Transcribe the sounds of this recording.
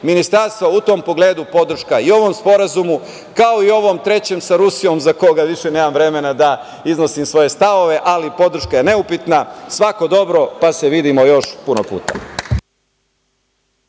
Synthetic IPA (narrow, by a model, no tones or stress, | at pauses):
minist̪aɾst̪ʋout̪o̞mpo̞ɡle̞ːd̪upo̞d̪r̩ʃkaio̞ʋo̞mspo̞ɾazumu | kaoio̞ʋo̞mt̪ɾe̞t͡ɕe̞msaɾusijo̞mzakoɡaʋiʃene̞ːmamʋɾe̞me̞nad̪a | izno̞simsʋo̞je̞st̪aʋo̞ʋe̞ʔalipo̞d̪r̩ʃkajene̞upit̪nasʋako̞d̪o̞bɾo̞pase̞ʋid̪imo̞jo̞ʃpunopṵːt̪a̰